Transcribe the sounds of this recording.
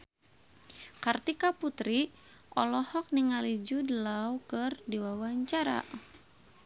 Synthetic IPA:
kart̪ikaput̪ɾi | ʔɔlɔhɔk̚niŋalid͡ʒudəlawkɨrdiwawaɲt͡ʃaɾa̰

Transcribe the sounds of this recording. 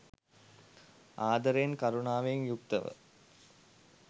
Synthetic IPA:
aːd̪ɐɾenkaɾunaːʋejŋjukt̪əʋə̰

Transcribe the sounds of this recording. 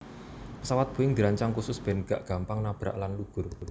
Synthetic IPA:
pəsawat̪̚b̥o̤ɪŋd̪i̤ɾaɲt͡ʃaŋkusʊsb̥ɛ̤nɡ̥a̤ʔɡ̥ä̤mpaŋnab̥ɾa̰ʔlanluɡ̥ʊ̤r

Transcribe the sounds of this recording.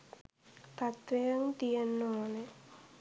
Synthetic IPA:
t̪ɐt̪ʋejɐŋt̪ijɐnːone

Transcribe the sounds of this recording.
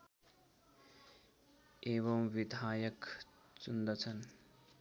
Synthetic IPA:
eβʌmwid̪ʱaːjʌk | t͡ʃund̪ʌt͡sʰʌn

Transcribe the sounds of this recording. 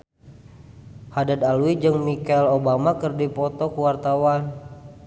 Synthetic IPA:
hadad̪aluid͡ʒɨŋmikɛlobamakərdipɔt̪ɔkuwart̪awan

